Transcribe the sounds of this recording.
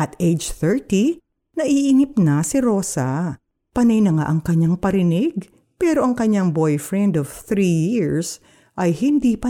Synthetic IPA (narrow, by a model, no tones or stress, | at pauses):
ʔɐt̪ejd͡ʒθɛɹt̪i | nɐʔiʔːnɪp̚nɐsɪɾo̞ːsɐ | pɐnɐjnɐŋa̰ʔɐŋkɐɲaŋpɐɾɪnɪɡ̚ | pɛːɾo̞ʔɐŋkɐɲaŋbo̞jfɹɛnd̪ov̥θɾijiɹs | ʔɐjhɪnd̪ipɐ